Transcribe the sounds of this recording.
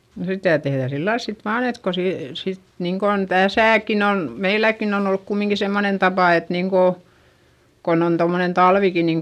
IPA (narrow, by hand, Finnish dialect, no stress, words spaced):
no sitæ tehðæˑ silːɑils sit ʋɑːn et ko se sit niːŋkon tæsæˑkin on meilækːin on olːuk kumiŋki semːonen tɑpɑˑ et niːŋko kon on tomnen tɑlʋiki niːŋ